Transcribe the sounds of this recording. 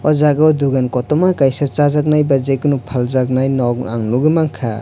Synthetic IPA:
ɔzaɡawduɡankɔtɔmakajsat͡ʃazak̚najbazekunupʰalzak̚najnɔɡa̰ŋnuɡɯmaŋkʰa̰

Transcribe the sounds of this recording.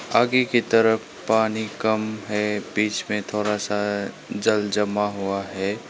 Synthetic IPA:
aːɡiket̪əɾəf | paːnikɐmɦɛːbiːt͡ʃmẽt̪ʰoːɾasa | d͡ʒɐld͡ʒɐmaɦuaɦɛː

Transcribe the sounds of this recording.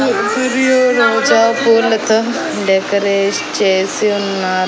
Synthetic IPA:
siɾjoːɾoːd͡ʒaːpuːlɐt̪ɐ | ɖɛkɐɾeːʂt͡ʃeːsiunːaːɾ

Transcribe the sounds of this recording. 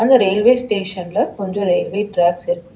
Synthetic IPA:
ɐnd̪ɐɾeːlʋeːsʈeːʂɐnlɐkɔɲd͡ʒõɾeːlʋeːʈɾaːɡsɪɾɯkː

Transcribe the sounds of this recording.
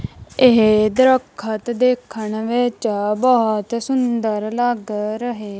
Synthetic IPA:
eɦd̪ɾəkʰːət̪d̪eːkʰːəɳʋɪt͡ʃbət̪sʊnd̪əɾləɡɾəɦeː

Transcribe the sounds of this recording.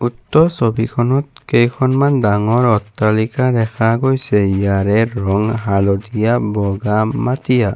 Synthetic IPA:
utːɔsobikʰɔnɔtkejkʰɔnmandaŋɔɹɔtːalikad̪ɛkʰaɡojsɛijaɹɛɹɔŋɦalɔdijabɔɡamat̪ija

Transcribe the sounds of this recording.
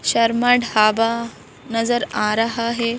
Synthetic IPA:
ɕɐɾmaɖhaba | nɐzəɾãɾaɦaɦe

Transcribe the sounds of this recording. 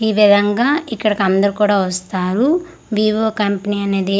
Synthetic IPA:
iːʋid̪ʱɐŋɡaːikːɐɽɐkɐnd̪ɐɾukuːɽaːʋɐst̪aːɾu | ʋiːʋoːkɐmpɐniɐne̞ːd̪i

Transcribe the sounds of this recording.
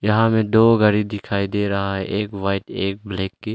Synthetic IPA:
jɐɦãmẽd̪oːɡɐɾid̪ɪkʰaːid̪eːɾɐɦaɦɛʔeːkʋaːɪʈeːk̚bleːkːe

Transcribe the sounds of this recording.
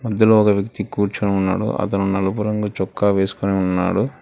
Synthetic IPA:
mɐd̪ʱjɐloɔkɐʋjɐkt̪ikuːɾt͡ʃɐneunːa̰ːɽṵʔɐ̰t̪ɐnunɐlɐpuɾɐŋɡut͡ʃɔkːaʋeːsu̥koneːunːa̰ːɽu

